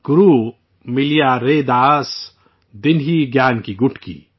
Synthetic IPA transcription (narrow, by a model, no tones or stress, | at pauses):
ɡ̥ʊɾuː | mɪlijaːɾeːd̪aːs | d̪ɪnɦiːɡjaːnkiɡʊʈʰkḭː